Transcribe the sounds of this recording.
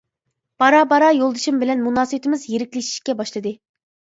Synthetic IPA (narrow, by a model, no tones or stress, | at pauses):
b̥ɑɾɑbɑɾɑjolˠd̪ɨʃumbɪlɛnmunɑːsɨbt̪ʰɪmɪzjeɾɪkʲlɪʃi̥ʃkʲɛbɑʃlˠɨd̪ɨ